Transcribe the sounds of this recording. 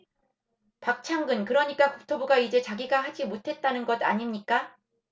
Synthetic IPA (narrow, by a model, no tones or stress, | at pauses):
pak̚t͡ɕʰaŋɡɯnkɯɾʌɲik͈akuk̚tʰobuɡaid͡ʑe̞t͡ɕaɡiɡaɦad͡ʑimotʰe̞t̚t͈anɯnɡʌda̰ɲimɲik͈a